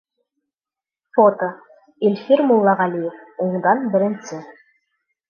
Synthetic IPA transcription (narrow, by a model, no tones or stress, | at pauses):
fot̪o | ilʲfʲiɾmʊlˠːɑʁɑlʲijefuɴd̪ɑnbɘ̆ɾɘ̆nsɘ